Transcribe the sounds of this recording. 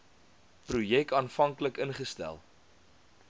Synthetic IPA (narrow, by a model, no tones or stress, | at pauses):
prujɛk̚tɑːnfɐŋkləkənχəstæ̰lˠ